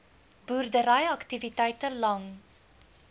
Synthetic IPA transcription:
burdəɾɛjɐktivitɛjtəlɐŋ

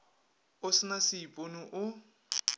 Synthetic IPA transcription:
ʊsɪnasɪipʼonʊʔʊ

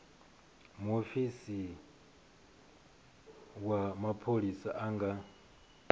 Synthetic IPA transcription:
muofisi | wamapʰolisaʔaŋɡa

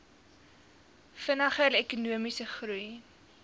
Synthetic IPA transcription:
fənɐχəlɛkunuəmisəχruj

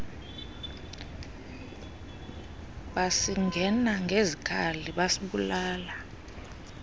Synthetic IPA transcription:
ɓasiŋʱɛnaŋɡʱezikʰaliɓasiɓulaːla

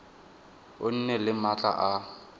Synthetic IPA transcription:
ʊn̩nɛlɪmat͡ɬʼa̰ʔa

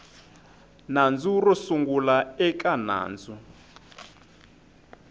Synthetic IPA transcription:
nand͡zurusuŋɡulaɛkʼana̰ːnd͡zu

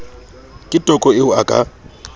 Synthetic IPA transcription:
kʼɪtʼɔkʼɔɪʊakʼa̰

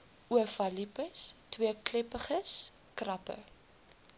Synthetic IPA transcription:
uəfɐlipəstwiəklɛpəχəs | krɐpə̰

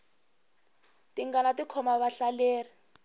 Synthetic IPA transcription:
tiŋɡanatikʰɔmaβaɬaleːri

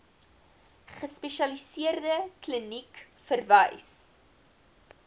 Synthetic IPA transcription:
χəspeʃɐlisiərdəklənik | fərvɐjs

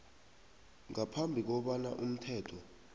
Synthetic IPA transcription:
ŋapʰambʱik̬ɔɓana̰ʔum̩tʰɛːtʰɔ

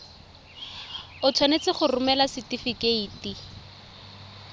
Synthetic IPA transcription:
ʊt͡sʰwanet͡sɪχʊrʊmɛlasitifikeiːti

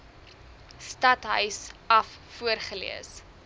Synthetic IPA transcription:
stɐtɦœɥsɐfːuərχəlḭəs

